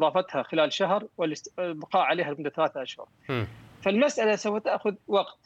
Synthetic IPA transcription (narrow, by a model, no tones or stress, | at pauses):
ðˤɑːfat̪haxɪlaːlʃaɦɾwɪlɪsbɑqɑːʔʕaleːɦalmʊnd̪aθalaːθaʔaʃhʊ̰ɾˤfalmasʔalasawfat̪aʔxʊðwɑɡt̪